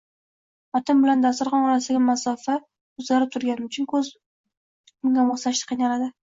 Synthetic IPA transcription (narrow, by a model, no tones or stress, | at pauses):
ɒt̪ɪmbɪland̪asʊɾʁɑnɒɾasɪɡʲamasɒfa | ʊzlaɾɪp̚t̪ʰʊɾɡʲanɪmʊt͡ʃʰʊnkʰɵz | ʊŋɡʲamosaʃt̪ɪ̥qʰijnalad̪ɪ